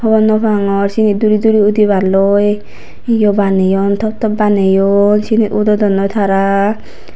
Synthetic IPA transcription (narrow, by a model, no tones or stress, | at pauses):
hɔbɔnːɔpaŋɔɾsinit̪̚d̪uɾid̪uɾiud̪iβaɾlɔj | jɔbanejɔnt̪ʰɔp̚t̪ɔbanejɔnsinit̪ud̪ɔd̪ɔnːɔjt̪ʰaɾa